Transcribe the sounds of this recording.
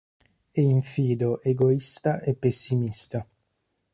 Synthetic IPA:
ɛiɱfiːd̪oʔeɡoist̪aʔepːesːimist̪a

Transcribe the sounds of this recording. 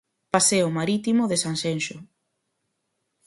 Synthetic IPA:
paseʊmaɾit̪imoðesansenʃo

